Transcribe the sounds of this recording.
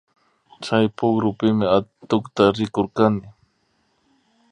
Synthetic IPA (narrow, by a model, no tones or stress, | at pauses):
t͡ʃajpʊkɾʊpɪmɪat̪ʊkt̪aɾɪkoɾkanɪ